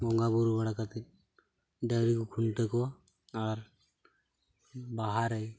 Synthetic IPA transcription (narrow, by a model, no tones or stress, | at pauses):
ɡɔŋɡabuɾubaɽakat̪i | ɖəɾikukʰuɳʈ̪əkɔ | aɾ | baɦaɾəj